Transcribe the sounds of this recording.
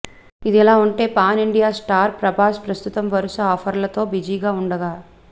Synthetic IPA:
id̪ɛlaːuɳʈe̞ːpaːniɳɖijaːsʈaːɾpɾɐbaːspɾɐst̪ut̪ɐmʋɐɾuʃɐɔːpʰɐɾlɐt̪o̞ːbid͡ʒiːɡaːuɳɖɐɡaː

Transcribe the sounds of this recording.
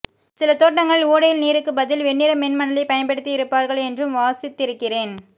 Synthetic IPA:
sɪlɐt̪oːʈːɐŋɡɐɭɭuːɽɐjɪlniːɾɯkːɯbɐðɪlʋɛɳːɪɾɐmɛnmɐɳɐlɐɪpɐjɐnpɛɽɯt̪ːijɪɾɯpːaːɾɣɐɭɛndrɯmʋaːsɪt̪ːɪɾɯkːɪreːn

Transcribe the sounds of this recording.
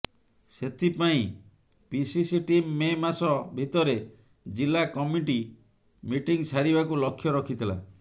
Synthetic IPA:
set̪ʰipaĩ | pisisiʈimːemasɔbʱit̪ɔɾe | d͡ʒilakɔmiʈi | miʈiŋsaɾibakulɔkʰːjɔɾɔkʰit̪ʰila̰

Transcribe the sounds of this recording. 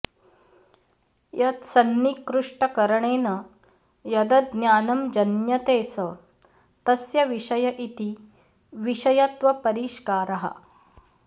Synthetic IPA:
jɐt̪sɐnːikɾuʂʈɐkɐɾɐɳeːnɐ | jɐd̪ɐd̪njaːnɐmd͡ʒɐnjɐt̪eːsɐ | t̪ɐsjɐʋiʂɐjɐʔit̪i | ʋiʃɐjɐt̪ʋɐpɐɾiːʃkaːɾɐɦɐ̰

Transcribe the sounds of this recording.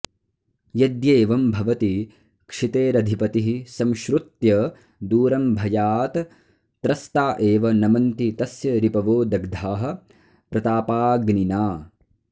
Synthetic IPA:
jɐd̪jeːʋɐmbʱɐʋɐt̪i | kʂit̪eːɾɐd̪ʱipɐt̪iɦisɐmʃɾut̪jɐ | d̪uːɾɐmbʱɐjaːt̪ | t̪ɾɐst̪aːʔeːʋɐnɐmɐnt̪it̪ɐsjɐɾipɐʋoːd̪ɐɡd̪ʱaːɦɐ̆ | pɾɐt̪aːpaːɡninaː

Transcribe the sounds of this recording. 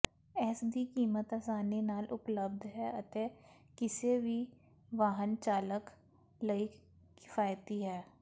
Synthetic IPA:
ɛːsd̪ikiːmət̪asaːnenaːlʔʊpləb̚d̪ʱɦɛɐt̪e | kɪsebʱi | ʋaːɦənt͡ʃaːlək | lɐi | kɪ̥faːjt̪iɦɛː

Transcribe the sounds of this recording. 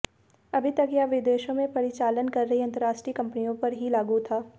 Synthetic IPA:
ɐbʱit̪ɐkjaːʋɪd̪eːʃõmẽpɐɾɪt͡ʃaːlənkɐɾːɐɦiɐ̃nt̪əɾaːʃʈɾiːkɐ̃mpnijõpɐɾɦilaːɡut̪ʰaː

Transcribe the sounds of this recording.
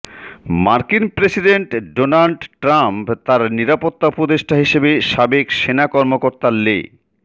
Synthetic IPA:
maɾkinpɾesiɖeɳʈɖonalɖʈɾampt̪aɾniɾapot̪ːapɾod̪eʃʈaɦiʃebeʃabekʃenakɔɾmokoɾt̪alːḛ

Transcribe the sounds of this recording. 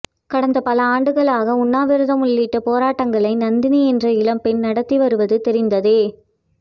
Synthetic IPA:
kɐɽɐnd̪ɐpɐlɐaːɳɖɯɣɐɭaːɣɐʊnːaːʋɪɾɯðɐmʊɭːɪʈːɐpoːɾaːʈːɐŋɡɐɭɐɪnɐnd̪ɪniɛndrɐɪlɐmpɛnnɐɽɐt̪ːiʋɐɾɯʋɐðɯt̪ɛɾɪnd̪ɐðeː

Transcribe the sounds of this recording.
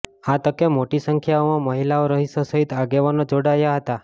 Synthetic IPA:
ãt̪əkemoʈisəŋkʰjaomãməɦilaoɾəɦisosəɦit̪aɡeʋanõd͡ʒoɽajaɦət̪a

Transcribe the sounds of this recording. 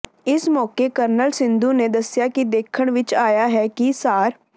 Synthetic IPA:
ɪsmɔːkekəɾnəlsɪ̃nd̪ũːned̪əsjakid̪eːkʰəɽ̃ʋɪt͡ʃaːjaːɦɛːkisaːɾ

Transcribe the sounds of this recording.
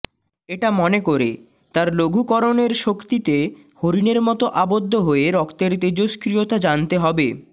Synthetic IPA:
eʈamɔnekoɾḛ | t̪aɾloɡʱukɔɾoneɾʃokt̪it̪e | hoɾineɾmɔt̪oʔabod̪ʱːoɦoeɾɔkt̪eɾt̪ed͡ʑoʃkɾijot̪ad͡ʑant̪eɦɔbe

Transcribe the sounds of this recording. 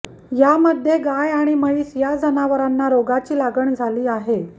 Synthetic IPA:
jaməd̪ʱjeɡajaɽ̃iməiːsjad͡zʱənaʋəɾanːaɾoɡat͡ɕiːlaɡəɳd͡zʱaliːaɦe

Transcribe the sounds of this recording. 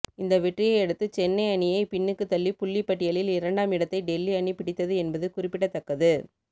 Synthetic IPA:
ɪnd̪ɐʋɛʈrɪjɐɪɛɽɯt̪ːɯt͡ʃɛnːɐɪɐɳɪjɐɪpɪɳːɯkːɯt̪ɐlːipʊɭːipːɐʈːɪjɐɭɪlɪɾɐɳɖaːmɪɽɐt̪ːɐɪɖɛlːiɐɳipɪɽɪt̪ːɐðɯɛnbɐðɯkʊrɪpːɪʈːɐt̪ːɐkːɐðɯ

